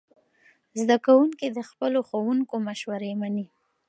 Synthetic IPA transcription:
zd̪akawuŋkid̪əxpəloxowuŋkomaʃwaɾemani

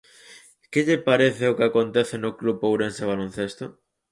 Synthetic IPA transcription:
keʎɪpaɾeθɪokɪakont̪eθenʊklupowɾenseβ̞alon̟θest̪o

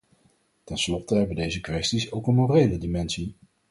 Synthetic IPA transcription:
tɛnslɔtəɦɛbədejzəkʋɛstisowkənmorejlədimɛnsi

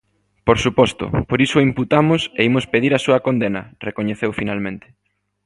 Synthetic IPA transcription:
poɾsupɔst̪ʊ̰poɾisʊimput̪amʊseimʊspeðiɾɐsuɐkond̪enɐrekoɲeθewfinalmẽnt̪ɪ̥

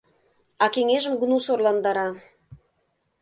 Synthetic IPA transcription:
ɑkeŋeʒə̆mɡə̆nusorlˠɑnd̪ɑɾɑ

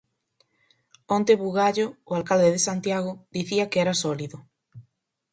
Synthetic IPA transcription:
õnt̪eβuɣaʎoːalkald̪eðesant̪jaɣ̞oðiθiɐkeɛɾasɔliðʊ

